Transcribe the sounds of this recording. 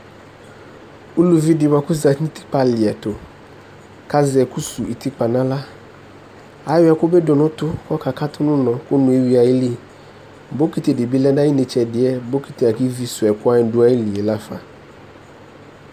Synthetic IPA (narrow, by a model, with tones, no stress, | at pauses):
u˦lu˨vi˦dɪ˨wa˨kʊ˦za˨˦ĩ˦ti̥˦k͡pa˨lɪ˨ɛ˨tʊ˨ | ka˦zɪ˨ɛ˨ku˦su˨i˨ti˦k͡pa˨nã˦la˦ | a˨˦wɪ˦ɛ˨kʊ˦be˦dʊ˨nʊ̃˦tʊ˦kɔ˦ka˨ka˦tʊ˦nʊ̃˦nɔ̃˨kʊ˦nʊ̃˨e˦wi˦a˨ɪ˦li˦ | bo˦ki˨te˨dɪ˨bi˦lɛ˦na˦i˦ne˨t͡ʃɛ˨dɪ˨ɛ˦bo˦ki˨te˨a˨ki˦vi˦sʊ˨ɛ˨kʊ˦a˦ɪ˨dʊ˦a˦e˦li˨e˨la˦fa̰˨